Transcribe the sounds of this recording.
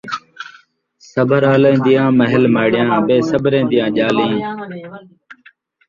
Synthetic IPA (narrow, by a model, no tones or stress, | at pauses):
səbʱəɾaːlẽːd̪ɪjãːməɦɪlmaːɽɪjãːbeːsəbʱɾẽːd̪ɪjãːʄaːlĩː